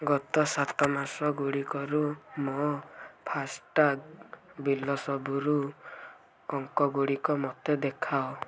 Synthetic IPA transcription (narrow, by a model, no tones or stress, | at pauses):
ɡɔt̪ɔsat̪ɔmasɔɡuɽikɔɾumɔpʰasʈakbilɔsɔbuɾu | ɔŋkɔɡuɽikɔmɔt̪ed̪ekʰao